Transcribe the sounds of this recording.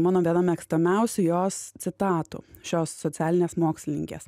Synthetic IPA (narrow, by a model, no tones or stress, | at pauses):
mɑːnoʋʲeːd̪ɐmʲɛɐksʲt̪omʲɛʊsʲʊjoːst̪sʲɪt̪ɑːt̪ṵːʃʲoːsːɔtsʲæːlʲɪnʲeːsmoːksʲlʲɪnʲɪ̰ŋʲkʲḛs